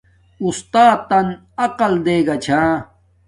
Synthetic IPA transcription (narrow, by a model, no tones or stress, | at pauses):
ust̪aːt̪ːɐn | ɐqɐld̪eːɡɐt͡ɕʰãː